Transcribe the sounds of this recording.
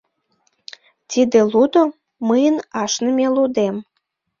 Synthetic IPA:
t̪ʲid̪elud̪o | məjənɑʃnəmʲelud̪em

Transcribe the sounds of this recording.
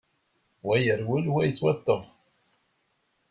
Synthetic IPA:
wæjəɾwəlwæjət͡sːwæt̪ːəʁ

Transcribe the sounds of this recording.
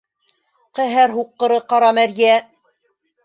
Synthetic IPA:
qæɦæɾɦuqːɤ̆ɾɤqɑɾɑmæɾjæ

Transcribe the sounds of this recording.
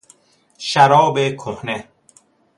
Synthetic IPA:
ʃæɾɒːbekʰohne

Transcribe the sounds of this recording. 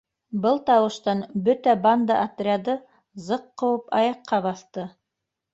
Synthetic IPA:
bɤlˠt̪ɑwɤ̆ʃt̪ɑnbɵt̪æband̪ɑʔat̪rʲɪad̪ɤ | zɤqːɤ̆wɤpɑjɑqːɑβɑθt̪ɤ

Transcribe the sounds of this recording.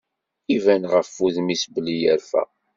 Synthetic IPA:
ivænʁəfːuðmisbəlijəɾfæ̰

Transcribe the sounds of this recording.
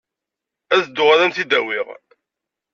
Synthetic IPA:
æðd̪ʊʁaðænt̪id̪æwiʁ

